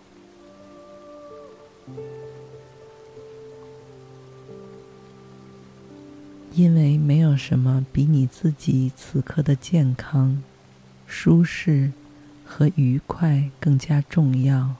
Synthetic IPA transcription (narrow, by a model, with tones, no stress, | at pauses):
i˥nwe˥˩ɪme˧˥ɪjo˨˩ʊʂə˧˥nmə˧pi˧˥ni˨˩t͡sɹ̩˥˩t͡ɕi˨˩˦t͡sʰɹ̩˨˩kʰɤ˥˩d̪ə˩t͡ɕjɛ˥˩nkʰɑ˥ŋ | ʂu˥ʂɻ̩˥˩ | xɤ˧˥ʔy˧˥kʰwa˥˩ɪkɤ˥˩ŋt͡ɕja˥ʈ͡ʂʊ˥˧ŋjɑ˥˩ʊ